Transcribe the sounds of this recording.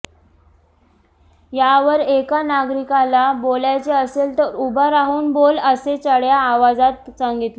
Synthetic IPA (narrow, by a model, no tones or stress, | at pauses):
jaʋəɾekanaɡɾikalaboljat͡ɕeəselt̪əɾubʱaɾaɦuːnboləset͡səɽjaːʋad͡zat̪saŋɡit̪le